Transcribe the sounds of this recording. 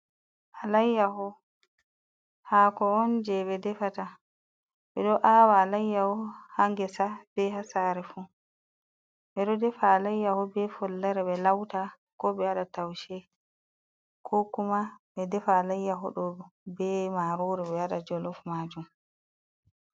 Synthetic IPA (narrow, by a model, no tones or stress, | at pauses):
ʔalajːahɔ | hakɔɔnd͡ʒɛɓɛdɛfata | ɓɛɗɔʔaːwaːlajːahɔhaŋɡɛsab̥ɛɦasaːɾɛfu | ɓɛɗɔdɛfaːlajːahɔbɛfɔlːaɾɛɓɛlawta | kɔɓɛaɗatawʃɛ | kʰokumaɓɛdɛfaːlajːaɦɔ̰ɗɔbɛmaɾoːɾɛɓɛjaɗad͡ʒɔlɔfmaːd͡ʒum